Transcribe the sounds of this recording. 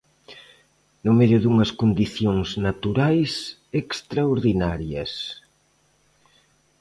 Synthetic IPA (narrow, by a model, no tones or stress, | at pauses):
nʊmeðjʊðuŋɐskond̪iθjoŋznat̪uɾajs | ekst̪ɾaoɾðinaɾjɐs